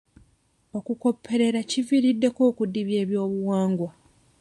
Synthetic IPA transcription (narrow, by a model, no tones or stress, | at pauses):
o̞kuko̞pʰːe̞ɾe̞ɾaciviɾidːe̞ko̞ːkudːiβje̞ːβjo̞ːβuwaːŋɡwa